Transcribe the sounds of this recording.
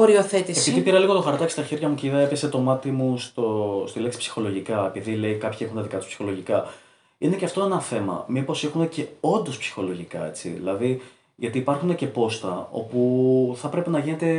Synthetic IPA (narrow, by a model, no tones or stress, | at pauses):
oɾioθet̪isesiððipiɾɐliɣo̞t̪oxɐɾt̪ocest̪ɐçeɾʝɐmuceiðɐepeset̪o̞mɐt̪imust̪ost̪ileksi̥psi̥xo̞lo̞ʝikɐepiðile̞ikɐpçiexunt̪ɐðikɐt̪u̥spsi̥xo̞lo̞ʝikɐ | ineceɐft̪oenɐθe̞mɐ̰mipo̞sexune̞ce̞o̞nd̪o̞spsi̥xo̞lo̞ʝikɐ̰e̞t͡sḭðḭlɐði | ʝɐt̪iːpɐɾxune̞ce̞po̞st̪ɐo̞̰puθɐpɾe̞penɐʝine̞t̪e̞